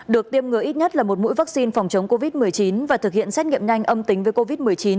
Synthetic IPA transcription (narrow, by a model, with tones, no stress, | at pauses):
ɗɨ˨˩ək̚t̪i˧əmŋɨ˨˩əʔi˦˥t̚ɲə˦˥t̚laː˨˩mo˨˩t̚mṵ˧˥jva˦˥k̚si˧nfa˨˩wŋ͡mt͡ɕə˨˦wŋ͡mko˧vi˦˥t̚mɨ˨˩əjt͡ɕi˨˦nvaː˨˩t̪ʰɨ˨˩k̚hḭ˧˨ənsɛ˦˥t̚ŋḭ˧˨əmɲa˧jŋ̟ʔə˧mt̪ï˨˦ŋ̟vəː˨˦jko˧vi˦˥t̚mɨ˨˩əjt͡ɕi˨˦n